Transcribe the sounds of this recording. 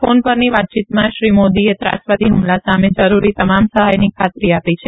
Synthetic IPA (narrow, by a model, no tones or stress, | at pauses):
fonpəɾniʋat̪̚t͡ʃit̪mãʃɾimod̪iet̪ɾa̰ʃpad̪iɦʊmlasamed͡ʒəɾuɾit̪əmamsəɦajnikʰat̪ɾiapit͡ʃʰe